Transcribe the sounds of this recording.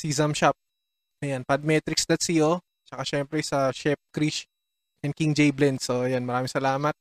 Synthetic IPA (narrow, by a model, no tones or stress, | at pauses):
sizɐmʃap̚ | ʔɐjanpɐd̪̚mɛt̪ɾɪksd̪ɐt̪̚sɐjo | t͡ʃɐkaʃɛmpɾɛsɐʃɛp̚kɾiʃ | ʔɛn̚kiŋd͡ʒɛjblɛnd̪soɐjanmɐɾaːmɪŋsɐlaːmɐt̪̚